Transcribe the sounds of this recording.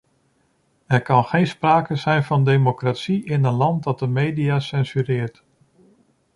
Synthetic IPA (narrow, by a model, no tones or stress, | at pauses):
ɛɹkɑnχejnspraːkəzɛjnvɑndejmokratsiɪnənlɑnt̚dɑt̚dəmejdijaːsɛnzyɾɪːɹt